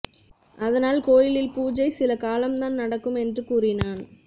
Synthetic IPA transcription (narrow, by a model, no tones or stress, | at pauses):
ʔɐðɐnaːlkoːjɪlɪlpuːd͡ʒɐɪsɪlɐkaːlɐmt̪aːnnɐɽɐkːɯmɛndrɯkuːrɪnaːn